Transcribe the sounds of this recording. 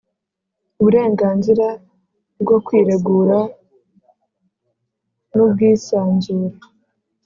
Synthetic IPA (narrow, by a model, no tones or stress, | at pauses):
uβuɾe̞ːŋɡaːnziɾa | bɡo̞kwiːɾeɡuɾa | nub̚ɡiːsaːnzuːɾa